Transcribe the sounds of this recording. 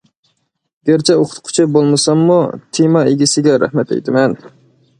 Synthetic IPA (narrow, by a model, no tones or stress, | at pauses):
ɡʲeɾt͡ʃʰɛoqʰʊ̥t̪qʰʊ̥t͡ʃʰibolˠmɨsɑmːut̪ʰimɑeɡʲɪsɪɡʲɛɾæ̰hmɛt̪ɛ̰jt̪ʰɪmɛn